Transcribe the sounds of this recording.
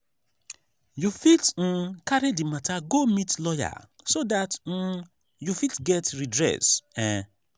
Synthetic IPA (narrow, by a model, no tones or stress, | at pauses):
jufitn̩kaɾedimatʰaɡomitlɔja̰ | sodat̩ | jufitɡɛtɹidɹɛ̰sɛ̃